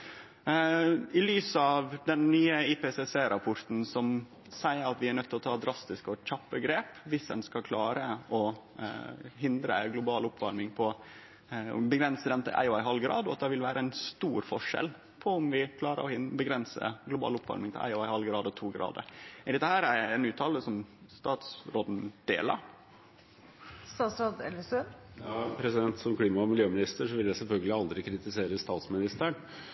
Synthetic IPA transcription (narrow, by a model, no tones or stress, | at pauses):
ɪlyːsəɑʋd̪ɛnːyːəɪpɛsɛseːɾɑpʰɔɾt̪n̩sɔm | sæɪəɾɑt̪ʋɪæɾɳœt̪ːɪlɔt̪ʰɑːd̪ɾʔɑst̪ɪskɔc͡çɑpːəɡɾeːpʋɪsd̪ɛnskɑkʰlɑːɾəɔ | ɦɪnd̪ɾə̰ɡlʊbɑːlʊpːʋɑɾmɪŋpʰɔ | bəɡɾɛnsəd̪ɛmt̪ʰɪ̰lʔæ̰ɪɔæɪɦɑlɡɾɑ̰ːd̪ɔɑ̰t̪̚d̪ɛʋɪlʋæːɾʔəæɪnst̪uːɾfɔʂɛ̰l | pʰɔʊmʋɪkʰlɑːɾə̰ɾɔhɪnbəɡɾɛnsə̰ɡlʊbɑ̰ːlʊpːʋɑ̰ɾmɪŋt̪ʰɪ̰ʔæ̰ɪɔɑɪhɑlɡɾɑːd̪ɔt̪ʰuːɡɾɑ̰ːd̪ə̰ɾɪd̪ɛt̪ːəhæːɾæɛnʉːt̪ʰːɑːləsɔmst̪ɑːt̪sɾoːd̪n̩d̪̥ḛːlə̰ɾ | st̪ɑːt̪sɾoːd̪ɛləsøjɑːpʰɾɛsɪd̪ɛnt̪sɔmkʰliːmɑɔmɪljøːmɪnɪst̪əʂɔʋɪld̪æsɛlfœlɡəlɪɑld̪ɾɪkʰɾɪt̪ɪseːɾəst̪ɑːt̪smɪnɪst̪əɳ